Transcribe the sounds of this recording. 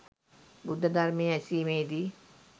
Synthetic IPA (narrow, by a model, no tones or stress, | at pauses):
bud̪ʱːəd̪ɐrmeɛsiːmeːd̪i